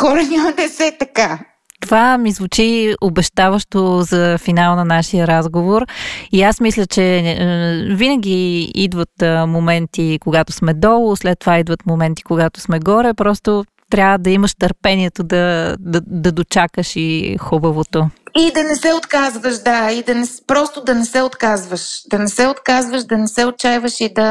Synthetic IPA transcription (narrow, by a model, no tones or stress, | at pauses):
kɔɾɐnʲamɐd̪ɛsɛt̪ɐka | t̪ovamizvut͡ʃiobɛʃt̪avəʃt̪ozɐfinalˠnɐnaʃiəɾazɡovoɾiasmislʲət͡ʃɛ | vinəɡ̟ʲiid̪vət̪momɛnt̪ikoɡat̪o̥smɛd̪ɔlˠoslɛt̪ːovaid̪vət̪momɛnt̪i̥koɡat̪o̥smɛɡɔɾɛpɾɔst̪o | t̪ɾʲavəd̪ɐiməʃt̪əɾpɛniɛt̪od̪ɐd̪ɐd̪ɐd̪ot͡ʃakəʃixubəvot̪oid̪ɐnɛsɛot̪kazvəʃd̪aid̪ɐnɛspɾɔst̪od̪ɐnɛsɛot̪kazvəʃd̪ɐnɛsɛot̪kazvəʃd̪ɐnɛsɛot̚t͡ʃajvəʃid̪ɐ